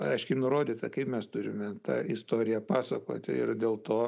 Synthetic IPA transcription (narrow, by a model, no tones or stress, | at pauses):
ɐɪʃʲkʲɪnʊɾoːd̪ʲiːt̪ɐkɐɪpmʲɛst̪ʊɾʲɪmʲɛt̪ɑ̰ɪst̪oːɾʲɪjɛpɑːsɐko̰ːt̪ʲɪ̰ɪ̰rd̪ʲeːlˠt̪oː